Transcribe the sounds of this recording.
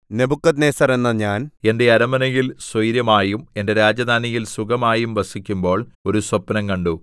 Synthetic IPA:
ne̞bʱukːɐt̪̬neːsɐre̞nːɐɲaːne̞nde̞ɐɾɐmɐnɐjilswɐjɾjɐmaːjume̞nde̞ɾaːd͡ʑɐd̪ʱaːnijilsukɐmaːjumʋɐsikʲːumbo̞ːɭo̞ɾuswɐpːɐnɐŋkɐɳɖu

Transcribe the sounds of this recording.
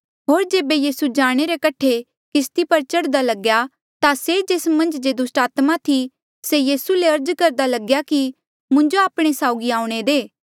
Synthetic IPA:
ɦoːɾd͡ʒeːbejiːsud͡ʒaːɽ̃eɾekɐʈʰe | kɪst̪ipɐɾt͡ʃɐɽd̪alɐɡja | t̪ased͡ʒeːsmɐ̃nd͡ʒd͡ʒeːd̪ʊsʈaːt̪mat̪ʰi | sejiːsuleɐɾd͡ʒkɐɾd̪alɐɡjaki | mʊ̃ɲd͡ʒoaːpɽ̃esaːʊɡiaːũɽ̃ed̪eː

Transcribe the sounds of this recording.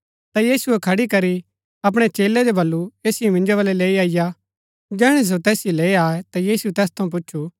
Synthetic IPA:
t̪ajiːsuɛkʰɐɽikɐɾi | ɐp̬ɽ̃et͡ʃeːlɛd͡ʒobɐlːueːsɪjimɪ̃nd͡ʒoβɐlɛleːiaːɪja | d͡ʒɛːɽ̃es̬ot̪ɛːsjileːiaːet̪ajiːsuɛt̪ɛːst̪ʰɐ̃ũp̬ʊtːʃʰu

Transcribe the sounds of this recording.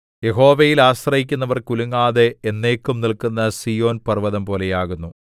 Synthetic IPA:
je̞ɦo̞ːʋɐjilaːɕrɐɦikʲːunːɐʋɐrkuluŋːaːðeːnːe̞ːkːumnilkunːɐsijo̞ːnpɐrʋɐðɐmpo̞ːlejaːɣunːu

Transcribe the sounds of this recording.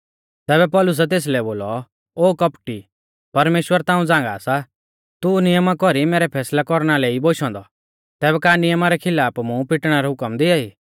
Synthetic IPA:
t̪ɛːbɛpɔːlʊs̬ɛt̪̬eːs̬lɛboːlɔ | oːkɐpʈi | pɐɾmeːʃwəɾt̪ãːũd͡zãːŋɡa̰ːsa | t̪unɪjəmakɔɾimeːɾɛpʰɛːslakɔɾɽ̃aleːiboːʃɔ̃nd̪ɔ | t̪ɛːbɛkanɪjəmaɾɛkʰɪlaːpmũpɪʈɽ̃aɾɛɦʊkəmd̪ɪaiː

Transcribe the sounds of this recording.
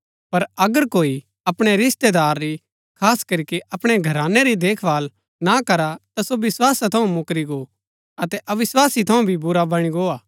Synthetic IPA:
pɐɾɐɡəɾkoːi | ɐpɽ̃eɾɪst̪ed̪aːɾːi | kʰaːskɐɾikeʔɐpɽ̃eɡʱɐɾãːneɾid̪eːkʰʋaːl | nakɐɾat̪asoʋɪswaːsat̪ʰɐũmʊkɾiɡo | ɐt̪ɛʔɐʋɪswaːsit̪ʰɐũbʱibʊɾabɐɽ̃iɡoːaː

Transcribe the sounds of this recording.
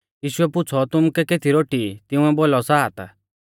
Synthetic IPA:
jiːʃuɛpʊt͡sʰɔt̪ʊmukɛket̪ʰiɾoʈit̪ɪ̃ũɛbolɔsaːt̪a̰

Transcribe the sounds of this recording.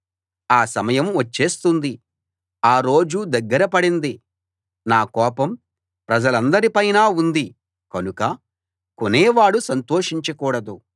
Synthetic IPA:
aːsɐmɐjɐmʋɐt͡ʃːe̞ːst̪und̪i | aːɾo̞ːd͡ʒud̪ɐɡːɐɾɐpɐɽind̪i | naːkɔːpɐm | pɾɐd͡ʒɐlɐnd̪ɐɾipɐjnaːund̪i | kɐnukɐ | koneːʋaːɽusɐnt̪o̞ːʂiɲt͡ʃɐkuːɽɐd̪u

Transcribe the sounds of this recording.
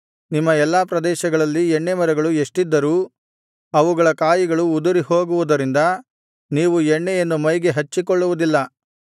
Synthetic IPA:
nimːɐɛlːaːpɾɐd̪ɛːʃɐɡɐɭɐlːiɛɳːemɐɾɐɡɐɭueʂʈid̪ːɐɾuː | ɐʋuɡɐɭɐkaːjiɡɐɭuːd̪uɾiho̞ːɡuʋud̪ɐɾind̪ɐ | niːʋuɛɳːejenːumɐjɡe̞ɦɐt͡ʃːikɔɭːuʋud̪ilːɐ

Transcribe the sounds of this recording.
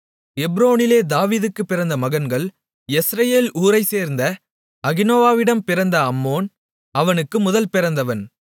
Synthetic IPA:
ɛbɾoːnɪleːd̪aːʋiːðɯkːɯpːɪɾɐnd̪ɐmɐɣɐnɡɐɭ | ɛsɾɐjeːluːɾɐɪseːɾnd̪ɐ | ɐɣɪnoːʋaːʋɪɽɐmpɪɾɐnd̪ɐɐmːoːn | ɐʋɐnɯkːɯmʊðɐlpɪɾɐnd̪ɐʋɐn

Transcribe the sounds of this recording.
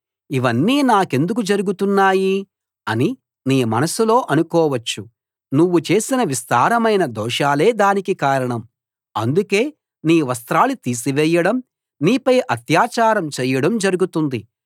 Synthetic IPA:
iʋɐnːiːnaːke̞nd̪ukud͡ʒɐɾuɡut̪unːaːji | ɐni | niːmɐnɐsulo̞ːʔɐnukɔːʋɐt͡ʃːu | nuʋːut͡ʃe̞ːsinɐʋist̪aːɾɐmɐjnɐd̪ɔːʃaːle̞ːd̪aːnikikaːɾɐɳɐm | ɐ̰nd̪uke̞ː | niːʋɐst̪ɾaːlut̪iːs̬iʋɛjːɐɽɐm | niːpɐjʔɐt̪jaːt͡ʃaːɾɐmt͡ʃɛːjɐɽɐmd͡ʒɐɾuɡut̪und̪i

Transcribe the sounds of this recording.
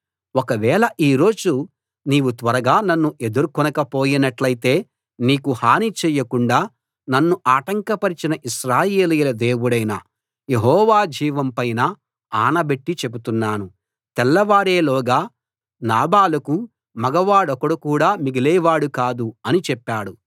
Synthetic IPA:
ɔkɐʋɛːɭɐʔiːɾo̞ːd͡ʒu | niːʋut̪ʋɐɾɐɡaːnɐnːuʔe̞d̪uɾukɔnɐkɐpo̞ːjinɐʈlɐjt̪e̞ː | niːkuhaːnit͡ʃɛːjːɐkuɳɖaː | nɐnːuʔaːʈɐŋkɐpɐɾit͡ʃinɐʔiʃɾaːje̞ːlijlɐd̪e̞ːwuɽɐjnɐ̰ | je̞ɦɔːʋaːd͡ʒiːʋɐmpɐjnɐ | aːnɐbeʈːit͡ʃe̞but̪unːaːnu | t̪ɛlːɐʋaːɾeːlɔːɡaː | naːbaːlɐku | mɐɡɐʋaːɽɔkɐɽukuːɽaːmiɡilɛːʋaːɽukaːd̪uɐnit͡ʃɛpːaːɽu

